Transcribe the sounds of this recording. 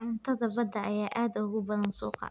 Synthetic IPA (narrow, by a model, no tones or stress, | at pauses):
ʕɪnt̪ʰɐðɐbɐd̪ɐʔɐjaːʔaːd̪ʊʊɣʊbɐðɐnsṵːqɑ̰